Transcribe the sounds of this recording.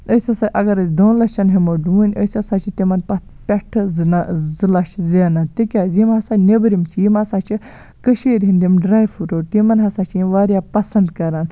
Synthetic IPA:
əsʲɐsaʔɐɡɐɾɐsd̪õːnlɐt͡ʃɐnɦimoɖũːnʲəsʲɐsat͡ʃʰit̪imɐnpɐt̪ʰpʲɐʈʰzzɨlɐʃzeːnat̪ikʲaːzimɦɐsanʲebɾimt͡ʃʰijimɐsaːt͡ʃʰi | kəʃiːɾʲɦind̪imɖɾaːjfuɾoːt̪imɐnɦɐsaːt͡ʃʰjimʋaːɾjaːpɐsɐnd̪kɐɾaːn

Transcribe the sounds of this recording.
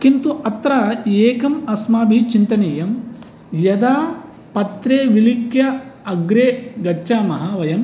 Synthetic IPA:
kint̪uʔɐt̪ɾaːeːkɐmɐsmaːbʱit͡ʃint̪ɐneːjɐm | jɐd̪aː | pɐt̪ɾeːʋilikjɐɐɡɾeːɡɐt͡ʃaːmɐɦɐʋɐjɐm

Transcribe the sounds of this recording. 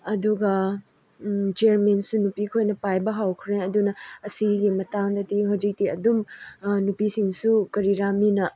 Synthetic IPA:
ɐduɡɐ | t͡ʃeaɾmensunupikʰojnɐpajbɐɦawkʰɾeɐdunɐɐsiɡimɐtaŋdɐtihawd͡ʒik̚tiɐdumnupisiŋsukɐɾiɾaminɐ

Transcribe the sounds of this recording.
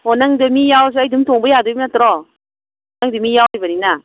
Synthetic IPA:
hɔnaŋdɯmijaws̬ɯajdumtʰoŋbəjadɯjmnatɾɔ | honaŋdɯmijawɾibɐnina

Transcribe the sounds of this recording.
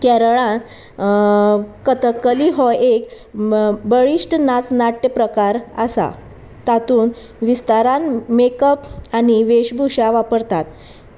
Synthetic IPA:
kɛɾɭã | kət̪əkːəliɦɔek | bəɭiʂʈnat͡snaʈːəpɾəkaɾəsa̰ | t̪at̪uːn | ʋist̪aɾãnmekəpaɽ̃iʋeɕbʱuɕaʋapəɾt̪at̪̚

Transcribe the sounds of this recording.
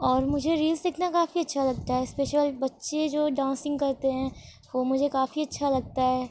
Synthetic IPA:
ɔːɾmʊd͡ʒʱeɾiːlsek̪nakaːfiɐtːʃʰalɐɡ̚t̪aɦɛːspeːʃəlbɐtːʃed͡ʒoːɖãːnsɪ̃ŋɡ̚kɐɾt̪eɦɛ̃ː | ʋomʊd͡ʒʱekaːfiɐtːʃʰalɐɡ̚t̪aɦɛː

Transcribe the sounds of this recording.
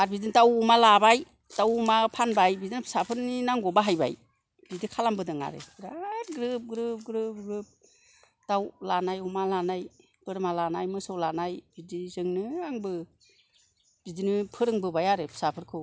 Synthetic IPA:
aɾbidintawumalabaj | tawumapʰanbajbidinɯpʰi̥sapʰɯɾninaŋɡɔbaɦajba̰j | b̥idikʰalambɯdɯŋa̰ɾɯ̰ɾaɡɾɯp̚ɡɾɯp̚ɡɾɯp̚ɡɾɯp̚ | tawlanajumalanaj | b̥ɯɾmalanajmɯsawlanajb̥idizɯŋnɯaŋbɯ | b̥idinɯpʰɯɾɯŋbɯbajaɾɯpʰɯ̥sapʰɯɾkʰɯw

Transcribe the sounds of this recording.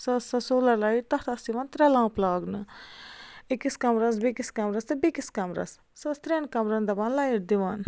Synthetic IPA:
sɐsɐsoːlɐlɐiʈt̪ɐht̪ɐsiʋɐnt̪ɾɛlãːplaːɡnɨ | ikiskɐmɾɐns̬bikiskɐmɾɐst̪ɨbikiskɐmɾɐ̰s | sɐst̪ɾenkɐmɾɐnd̪ɐbɐnlajiɾd̪iʋaːn

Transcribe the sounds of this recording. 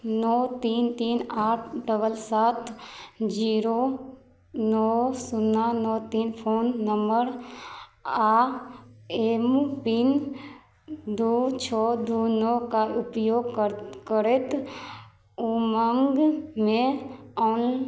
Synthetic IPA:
nɔːt̪iːnt̪iːnaːʈʰɖəbəlsaːt̪ʰd͡ʒiːɾoː | nɔːsʊnːanɔːt̪iːnpʰoːnːəmbəɾ | aː | eːmpin | d̪uːt͡ʃʰɔːd̪uːnɔːkaʊpjoːɡkkəɾet̪ | uməŋɡmẽɔːn

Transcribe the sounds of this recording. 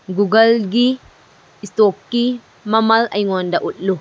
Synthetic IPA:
ɡuɡəlɡi | ist̪okːi | mɐmɐləjŋɔndaʔut̪̚lu

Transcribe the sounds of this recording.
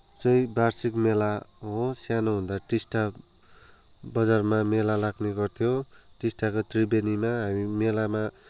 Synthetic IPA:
t͡sʌjbarsikmelaɦosjanoɦund̪aʈisʈa | bʌd͡zarmamelalaɡneɡʌrt̪ʰjo | ʈisʈakot̪ribenimaɦamimelama

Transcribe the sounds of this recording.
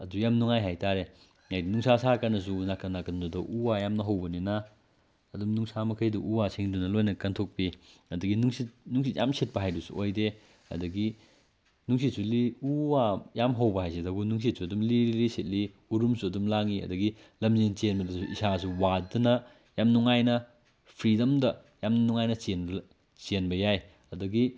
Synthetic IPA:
ɐdujamnuŋajɦajtaɾe | ŋajdinuŋsʰasakanɐs̬unakanakɐndudɐʔuwajamnɐɦɐwbɐnina | ɐdumnuŋsamɐkʰɐjduʔuwasʰiŋdunɐlojnɐkɐntʰok̚piɐduɡinuŋsit̚nuŋs̬it̚jamset̚pɐɦajdusuʔojde | ɐ̰duɡi | nuŋs̬it̚suliuwajamɦɐwbɐɦajsedɐɡunuŋs̬it̚suɐdumliɾiliset̚li | uɾumsuɐdumlaŋiɐ̰duɡi | lɐmzint͡ʃenbɐdusuisas̬uwadunɐ | jamnuŋajnɐ | pʰɾidɐmdɐ | jamnuŋajnɐt͡ʃen | t͡ʃenbɐjaj | ɐduɡi

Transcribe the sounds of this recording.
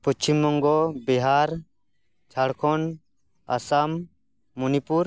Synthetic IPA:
put͡ʃʰimːɔŋɡɔbiɦaɾ | t͡ʃʰaɽkʰɔn | a̰samː | unipuɾ

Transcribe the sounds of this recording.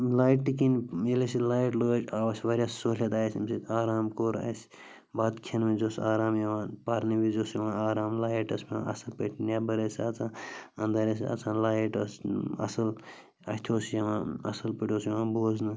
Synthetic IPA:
laːjʈːikinelesilaːjʈlot͡ʃʲaːʋɐsʲʋɐɾʲjassoːlʲɐt̪aːjsimsit̪ʲʰaːɾaːmkoːɾɐ̰s | baːd̪kʰɐnmizosaːɾaːmjɐʋãːnpaːɾnibizosjɐʋãːaːɾaːmlaːjʈɐsmiã̰ʔɐ̰sɐlpeʈʰinʲjabɐɾesaːt͡sʰãːɐnd̪ɐɾes̬ɐ̰t͡sʰãːnlaːjʈɐsɐ̰sɐl | ɐ̰t̪ʲʰoːsjɐʋãɐ̰sɐlpiʈʲoːsjɐʋãːnboːznɨ

